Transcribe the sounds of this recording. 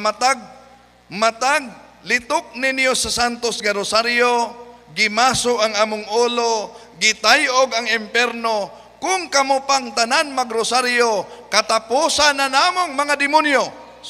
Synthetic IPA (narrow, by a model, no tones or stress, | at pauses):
mat̪aɡ̚ | mat̪aɡ̚ | lɪt̪ʊk̚nɪnjosasant̪osɡaɾʊsaɾjoɡɪmaːsʊʔaŋʔaːmʊŋʔuːlo | ɡɪt̪ajʔoɡaŋɪmpɛɾno | kʊŋkɐmopaŋt̪ananmaɡɾosaɾjokɐt̪apusananaːmoŋmɐŋad̪ɪmʊnjo